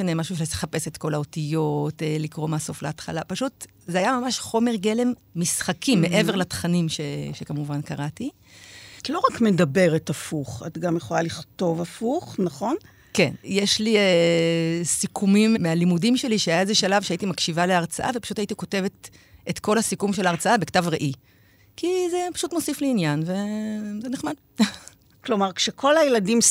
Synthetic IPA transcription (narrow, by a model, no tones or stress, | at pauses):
ane̞maʃuʃeteχape̞setko̞lao̞tijo̞telikʁo̞maso̞fleatχa̰lapaʃut | zeajamamaʃχo̞me̞ʁɡe̞le̞mːisχakimːe̞ʔe̞ve̞ʁlatχanimʃeʃekamuvankaʁati | tlo̞ʁakmedabe̞ʁetafuχa̰tɡamjeχo̞laliχto̞vafuχnaχo̞n | ke̞nje̞ʃlie | sikʰumimmealimudimʃe̞liʃeajaezeʃalavʃeaitimakʃivaleaʁt͡saʔavepḁʃutaitiko̞te̞vet | ʔetko̞lhasikumʃelːʁt͡saabe̞ktavʁeʔi | kize̞pḁʃutmo̞sifleinjanve̞zeneχmad | klo̞maʁkʃekʰo̞lajeladim